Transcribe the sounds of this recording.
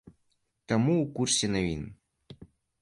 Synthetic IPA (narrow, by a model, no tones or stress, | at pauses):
t̪amuːkursʲɛnavʲḭn